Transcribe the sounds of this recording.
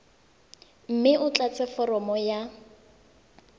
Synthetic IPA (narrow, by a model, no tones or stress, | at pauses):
m̩mɪʔʊt͡ɬat͡sʼɛfɔrɔmɔja